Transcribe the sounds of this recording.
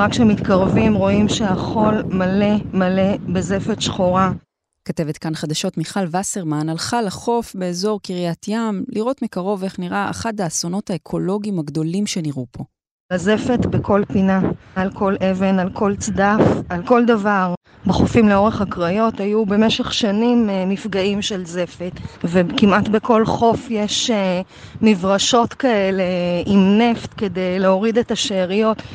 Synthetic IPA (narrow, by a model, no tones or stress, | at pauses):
ʁakʃemit̪kaʁvimʁo̞imʃeaχo̞lmale̞male̞bezefet̪ʃχoʁa | kate̞vet̪kanχad̪aʃo̞tmiχalvaseʁmanalχalaχo̞fbe̞ːzo̞ʁkiʁjatʰjamliʁo̞tmikaʁo̞ve̞χniʁaʔa̰χat̚aːso̞no̞thaekʰo̞lo̞ɡimaɡdo̞limʃe̞niʁupʰo̞ | lazefet̪bekʰo̞lpinaːlkʰo̞lʔe̞ve̞nalkʰo̞lt͡sd̪afalko̞ld̪avaʁ | beχofimleo̞ʁeχakʁajo̞tajube̞meʃeχʃanimːifɡaimʃe̞lze̞fet̪vekimat̪bekʰo̞lχo̞fjeʃe | mivʁaʃo̞tkae̞le̞imne̞ft̪ke̞dejleo̞ʁid̪etaʃeːʁijo̞t